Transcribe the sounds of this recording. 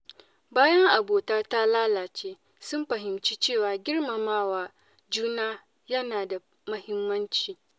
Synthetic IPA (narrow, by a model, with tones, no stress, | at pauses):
baː˦jɐ˦ŋʔa˨boː˨taː˦ta˦laː˦laː˨t͡ʃeː˦ | sʊ˦mɸɐ˨ɦɪ˨mt͡ʃiː˦t͡ʃeː˦˨waː˨ɡʲɪ˦rma˨maː˦waː˨ | d͡ʒuː˦naː˦ | jɐ˦naː˨da˨ | mɐ˦hɪ˦mːɐ˦nt͡ʃiː˨